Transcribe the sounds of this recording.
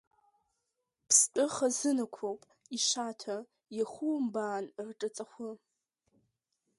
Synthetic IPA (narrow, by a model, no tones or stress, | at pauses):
pʰstʼɨχazɨnakʷʰowpʼ | iʃatʰa | jaχʷumbaːnrʈ͡ʂʼɨt͡sʼaχʷʊ